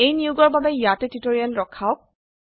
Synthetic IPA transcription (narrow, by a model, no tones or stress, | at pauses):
ejnijuɡɔɹbabɛjatɛtitoɹijanɹɔkʰaʊk̚